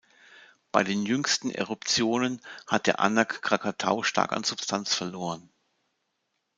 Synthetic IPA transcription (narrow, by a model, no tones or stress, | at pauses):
b̥aɪdeːnjʏŋstn̩ʔḛʁʊpt͡sjoːnənhat̚d̥eːɐʔa̰nakːʁ̥akʰatʰa̰ʊʃtʰa̰ɐka̰nz̥ʊpstʰant͡sfɛɐloːʁ̞ən